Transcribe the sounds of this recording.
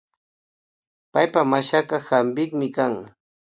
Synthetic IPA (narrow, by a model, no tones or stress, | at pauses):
pajpamaʃakɑhambɪkmɪkaŋ